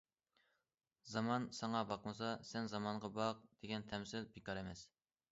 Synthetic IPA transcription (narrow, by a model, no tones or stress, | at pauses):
zɑmɑnsɑŋɑbɑqmɨsɑsɛnzɑmɑɴʁɑbɑq̚d̪̥eɡʲɛnt̪ʰɛmsɪlbekɑɾɛmɛs